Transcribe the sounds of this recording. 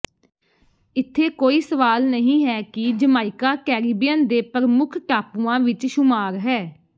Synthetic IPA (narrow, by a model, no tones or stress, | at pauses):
ɪt̪ʰːeːkoːiːsəʋaːlnəɦĩːɦɛːkɪd͡ʒəmaːɪkaːkɛːɾiːbijənd̪eːpəɾmʊkʰʈaːpuãːʋɪt͡ʃʃʊmaːɾɦɛː